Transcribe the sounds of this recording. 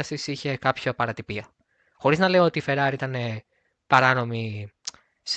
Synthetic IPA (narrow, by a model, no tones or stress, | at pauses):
ɐsisiçe̞kɐpçopɐɾɐt̪ipiɐ | xo̞ɾiznɐleio̞t̪ife̞ɾɐɾiit̪ɐne̞ | pɐɾɐno̞mi | s